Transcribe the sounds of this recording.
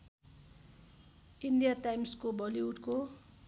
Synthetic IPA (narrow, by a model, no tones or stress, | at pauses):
indijatajmskobʌliuʈko